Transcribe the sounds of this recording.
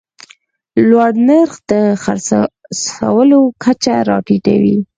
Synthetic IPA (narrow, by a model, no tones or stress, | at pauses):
lwaɽnaɾxd̪əxa̰ɾsasa̰wəlokʰat͡ʃaɾɑʈiʈa̰wḭ